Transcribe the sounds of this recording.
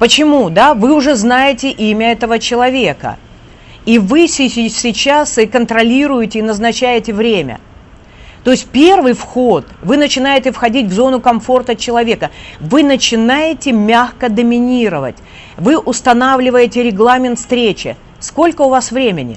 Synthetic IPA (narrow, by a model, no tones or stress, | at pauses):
pət͡ɕɪmud̪avɨʊʐɛznajɪtʲɪʔimʲəɛt̪əvət͡ɕɪlˠɐvʲe̞kə̰ | ivɨsʲɪsʲɪt͡ɕasɨkənt̪ɾɐlʲiɾʊjɪtʲɪːnəznɐt͡ɕæjɪtʲɪvɾʲemʲə̰ | t̪o̞ɪsʲt̚ʲpʲe̞rvɨjfxo̞t̪vɨnət͡ɕɪnajɪtʲɪfxɐdʲitʲvzo̞nʊkɐmfo̞rt̪ət͡ɕɪlˠɐvʲe̞kəvɨnət͡ɕɪnajɪtʲɪmʲaxkəd̪əmʲɪnʲiɾəvə̰t̚ʲ | vɨʔʊst̪ɐnavlʲɪvəjɪtʲɪɾʲɪɡlˠamʲɪnt̪fst̪ɾʲet͡ɕɪ̰ | sko̞lʲkəʊvasvɾʲemʲɪnʲɪ̰